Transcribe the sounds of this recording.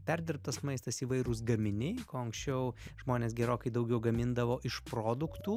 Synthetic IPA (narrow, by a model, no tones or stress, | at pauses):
pʲɛɾʲd̪ʲɪɾp̚t̪ɐsmɐɪst̪ɐsiːʋɐɪɾʊs̬ɡɐmʲɪnʲɛɪkoːɐŋksʲt͡ʃʲɛʊʒmoːnʲeːs̬ɡʲɛɾoːkɐɪd̪ɐʊɡʲɛʊɡɐmʲɪnd̪ɐʋoːʔɪʃpɾoːd̪ʊkt̪uː